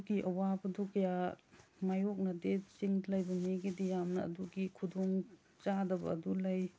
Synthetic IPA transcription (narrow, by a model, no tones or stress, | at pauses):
ɡiʔɐwabɐdukɐjamajok̚nɐdet͡ʃiŋdlajbɐmiɡidijamnɐ̰ːduɡikʰudoŋ | t͡ʃadɐbɐ̰ːdulaj